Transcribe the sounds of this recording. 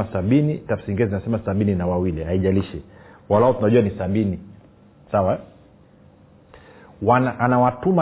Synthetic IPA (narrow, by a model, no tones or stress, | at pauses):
asaɓinitafsiŋɡɛzinasɛmasaɓininawawilihaiʄaliʃɛwalaɔtunaʄuanisaɓini | sawa | wanaʔanawatuma